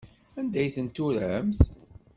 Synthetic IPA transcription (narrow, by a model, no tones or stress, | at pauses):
ænd̪æjθənt̪ːuɾəmθ